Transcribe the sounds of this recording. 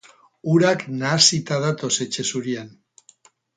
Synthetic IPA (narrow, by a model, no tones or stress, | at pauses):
uɾaknasit̪aðat̪o̞se̞t͡ʃe̞suɾian